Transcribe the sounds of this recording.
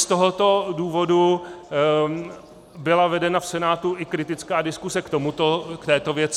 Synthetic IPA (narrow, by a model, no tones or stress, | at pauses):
st̪oɦot̪o̞duːvo̞du | bɪlavɛdɛnafsɛnaːt̪uɪkɾɪt̪ɪt͡skaːdɪskusɛkt̪o̞mut̪okt̪ɛːt̪o̞vjɛt͡s